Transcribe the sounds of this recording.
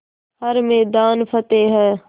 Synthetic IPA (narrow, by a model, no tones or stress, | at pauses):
ɦɐɾmɛːd̪aːnfʰət̪eːɦɛː